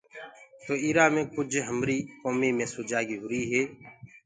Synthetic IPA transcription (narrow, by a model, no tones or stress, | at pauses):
t̪oːiːɾaːmẽːkʊd͡ʒʱɦəmɾiːkoːmiːmẽːsoːd͡ʒaːɡiːɦʊɾiːɦeː